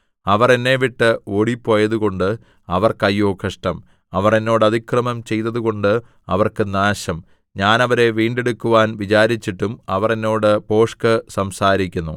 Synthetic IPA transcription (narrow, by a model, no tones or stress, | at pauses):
ɐʋɐre̞nːe̞ʋiʈːɨoːɽipːo̞ːjɐðuɣo̞ɳɖɨ | ɐʋɐrkɐjːoːkʰɐʂʈɐm | ɐʋɐre̞nːo̞ːɽɨɐd̪ʱikrɐmɐmt͡ɕe̞jt̪ːɐðuɣo̞ɳɖɨ | ɐʋɐrkɨnaːɕɐm | ɲaːnɐʋɐɾe̞ʋiːɳɖe̞ɽukːuʋaːnʋit͡ɕaːɾit͡ɕːiʈːumɐʋɐre̞nːo̞ːɽɨpo̞ːʂkɐsɐmsaːɾikʲːunːu